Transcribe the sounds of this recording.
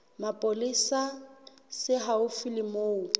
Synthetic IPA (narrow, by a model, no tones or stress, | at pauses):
mapʼolisasɪɦaʊfilɪmoːʊ